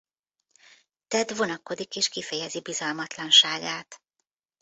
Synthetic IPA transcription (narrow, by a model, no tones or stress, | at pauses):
t̪ɛd̪ʋo̞nɒko̞d̪ikeːʃkifɛjɛzibizɒlmɒt̪lɒnʃaːɡaːt̪